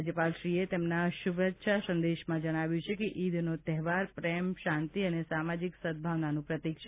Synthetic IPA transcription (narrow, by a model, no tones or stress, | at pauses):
d͡ʒəpalʃɾiet̪emnaʃubət̪ːʃʰasə̃nd̪eʃmãd͡ʒəɽ̃aʋjũt͡ʃʰekeʔid̪ʱnot̪ɛɦʋaɾpɾɛmʃant̪iənesamad͡ʒiksəd̪̚bʱaʋnanũpɾət̪ikʃʰ